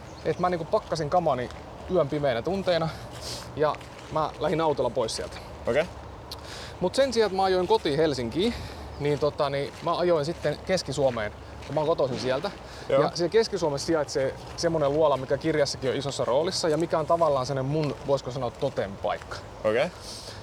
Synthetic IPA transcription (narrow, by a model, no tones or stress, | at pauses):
ʔet̪mæniŋkuppɑkːɑsiŋkɑmɑni | yømpimeːnæt̪unt̪eːnɑ | jɑ̰ | mælæhinɑut̪olːɑpoissiæ̰lt̪æ̥ | oke | mut̪sensiɑet̪mæɑjoiŋkot̪ihelsiŋkiː | niːnt̪ot̪ɑnimæɑjoinsit̪ːenkeskisuomeːn | jmækot̪osinsiælt̪æ | jɑsielkeskisuomessiɑet̪se | semːoneluɑlɑmikækirjɑsːɑkioisosːɑroːlisːɑjɑmikæont̪ɑʋɑlːɑːnsenemmunʋoˑiskosɑnot̪t̪ot̪empɑ̰ikːɑ̥ | o̰ke